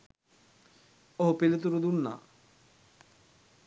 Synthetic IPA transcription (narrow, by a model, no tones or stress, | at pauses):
oɦupilit̪̬uɾud̪unːa̰